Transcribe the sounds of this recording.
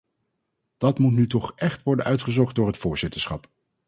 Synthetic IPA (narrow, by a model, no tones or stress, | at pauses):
d̥ɑtmutnytɔχʔɛχtʋɔɹdənœɥtχəzɔχt̚dʊːɹɦətfʊːɹz̥ɪtəɹsχɑp